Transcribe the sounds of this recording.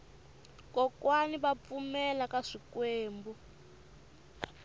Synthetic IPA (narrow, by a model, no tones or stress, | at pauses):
kɔkwaniβap̪fumɛlakaʂikweːmbɔ